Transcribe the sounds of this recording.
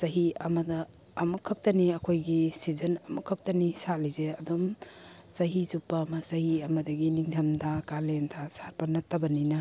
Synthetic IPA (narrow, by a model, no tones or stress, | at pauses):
sɐɦiɐmɐdɐː | mukʰɐp̚tɐniɐkʰojɡisizɐnɐmukʰɐp̚tɐnisalizeɐdum | t͡ʃɐɦizupːamɐsɐhiɐmɐdɐɡiniŋtʰɐmdʰakalentʰasaɾpɐnɐtːɐbɐninɐ